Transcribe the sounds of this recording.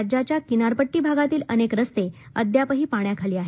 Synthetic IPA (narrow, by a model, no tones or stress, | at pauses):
d͡ʑat͡ɕjakinaɾpəʈːiːbʱaɡat̪iːlənekɾəst̪e | əd̪japəɦiːpaɳjakʰaliːaɦe